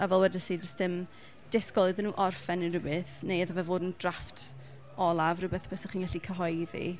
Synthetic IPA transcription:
avɛlˠwɛdəsid͡ʒəstɪm | d̥ɪskɔlˠɨðənːuːʔɔrfɛnirɪbɨθnejəðavɛvoːdn̩draftʰ | ɔlˠavrɨbɛθpʰɛsaχiːnɡɛɬikʰəɦɔjðḭ

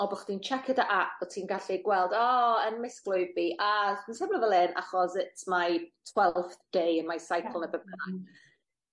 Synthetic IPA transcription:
ɔbɔχd̥iːnt͡ʃʰɛkʰɪdaʔaʔɔtʰiːnɡaɬiɡwɛlˠdɔːənmɪsklˠʊjvbiʔansɛmnɔvɛlˠɪnʔa̰χɔsɪtmajtʰwɛllˠfθd̥ejənmajsajkʰəlˠnəbɛb̚əna

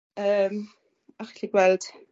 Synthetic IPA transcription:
əːm | aχliɡ̥wɛld̥

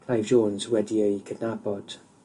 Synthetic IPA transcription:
kʰl̥ajvʒoːnzwɛdiəkʰədnabɔd̥

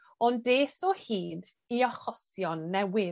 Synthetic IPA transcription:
ɔndeːsɔhiːd | iɔχɔsjɔnːɛwɪ

